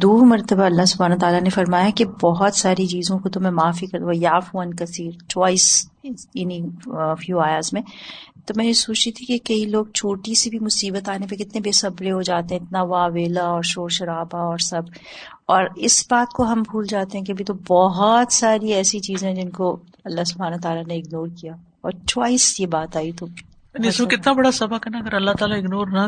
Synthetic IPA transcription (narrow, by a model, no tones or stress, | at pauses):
d̪uːɾmɐɾt̪əbaɐlːaɦsʊbʱaːnat̪aːlanefɐɾmaːjakebɔɦɔt̪saːɾit͡ʃiːzõkot̪ʊmɛ̃maːfikɐɾt̪aɦjaːfuɐnkɐsiːɾt͡ʃwaːiːsjɐnifjuːaːjaːzmẽt̪omɛ̃ːnesoːt͡ʃt̪it̪ʰikekɐiloːɡ̚t͡ʃʰoːʈisebʱimʊsiːbət̪aːnepekɪt̪nebeːsɐbɾeɦod͡ʒaːt̪eɦɛ̃ɪt̪naʋaːʋeːlaɔːɾʃoːɾʃɐɾaːbaɔːɾsɐb | ɔːɾɪsbaːt̪koɦɐmbʱuːld͡ʒaːt̪eɦɛ̃k̬iɐbʱit̪obɔɦɔt̪saːɾiɛːsit͡ʃiːzẽɦɛ̃d͡ʒɪnko | ɐlːaɦsʊbʱaːnɐɦt̪aːlaneɪɡnoːɾkijaː | ɔːɾt͡ʃwaːɪsjebaːt̪aːit̪o | niɪsmekɪt̪nabɐɽasɐbəkɦɛnaɐɡəɾɐlːaɦt̪aːlaɪɡnoːɾnɐ